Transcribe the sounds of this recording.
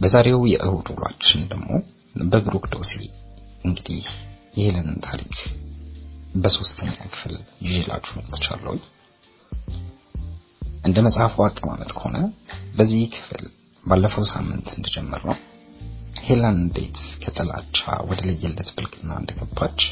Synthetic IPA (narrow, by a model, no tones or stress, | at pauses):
bəzaɾe̞wjɛʔɨhud̪ula̰t͡ʃːɪnd̪əɡmo̞̰ | bəbɾukd̪əwsḛʔɨŋɡɨd̪ihjɛhelənɨnt̪ʰaɾikʰ | bəso̞st̪ʰəɲːa̰kʰɨ̥fljɪʒelːa̰t͡ʃːumət̪ʰːɨ̥t͡ʃalːə̰woɲː | ʔɨnd̪əməsʼhafəwakʼːəmamət̪kʰə̥ho̞̰nəbəzːihkʰɨ̥fl | balːəfəwsamːɨnt̪ʰɨnd̪əd͡ʒɛmːəɾnəw | heland̪ḛt̪kʰət̪ʼəla̰t͡ʃːawɔd̪ələjːɛlːət̪bɨlkʼɨnːa̰ɨnd̪əɡəbat͡ʃː